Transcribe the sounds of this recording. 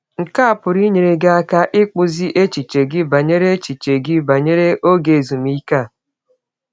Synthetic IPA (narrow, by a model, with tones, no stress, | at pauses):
ŋ̩˨ka˦a˨pʊ˨ɾi˦ɲe˨ɾe˨ɡa˦a˦ka˦ʔɪ˦k͡pʊ˦zi˦ʔe˦t͡ʃi˨t͡ʃe˨ɡɪ˦ba˨ɲe˦ɾe˦t͡ʃi˨t͡ʃe˨ɡɪ˦ba˨ɲe˦ɾe˦ʔo˦ɡe˨zu˨m˦i˦ka˦˨